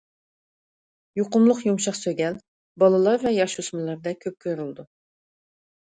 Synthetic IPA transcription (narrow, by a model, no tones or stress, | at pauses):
joqʊmlˠʊqjumʃɑχsøɡʲɛl | bɑlˠɨlˠɑɾvɛjɑʃusmɨlˠɑɾd̪ɛkʲʰøp̚kʲʰøɾylˠd̪u